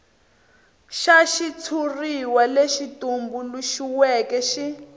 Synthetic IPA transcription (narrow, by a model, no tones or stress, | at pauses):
ʃaʃit͡sʰuriwaleʃitumbuluʃiwɛkɛʃi